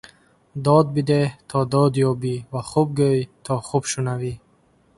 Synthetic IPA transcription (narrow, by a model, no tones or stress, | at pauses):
d̪ɔd̪̚bid̪eht̪ʰɔd̪ɔd̪jɔbivaχub̚ɡøjt̪ʰɔχubʃunavi